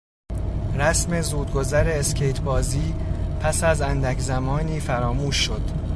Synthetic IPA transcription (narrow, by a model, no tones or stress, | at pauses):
ɾæsme̞zuːd̪̚ɡo̞zæɾe̞ːscʰejt̪ʰbɒːziːpʰæsæzænd̪æcʰzæmɒːniːfæɾɒːmuːʃːo̞d̪̥